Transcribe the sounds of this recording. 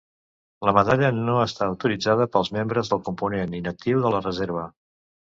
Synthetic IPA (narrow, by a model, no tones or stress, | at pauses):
ləməðaʎənoəst̪aəwt̪uɾid͡zað̞əpəlˠzmembɾəzðəlˠkumpuneninək̚t̪iwðələrəzeɾβ̞ə